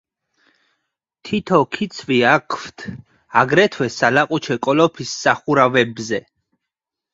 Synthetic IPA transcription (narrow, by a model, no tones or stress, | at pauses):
t̪ʰit̪ʰɔkʰit̪sʰviakʰwt̪ʰ | aɡɾɛt̪ʰwɛsalaqʼut͡ʃʰɛkʼɔlɔpʰisːaχuɾavɛbzɛ